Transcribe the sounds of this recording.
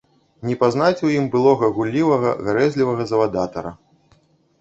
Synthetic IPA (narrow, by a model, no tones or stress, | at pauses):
nʲɛpaznat͡sʲwjimbɨlˠɔɣɐɣulʲːivɐɣɐɣaɾɛzʲlʲivɐɣɐzɐvad̪at̪ɐɾɐ̰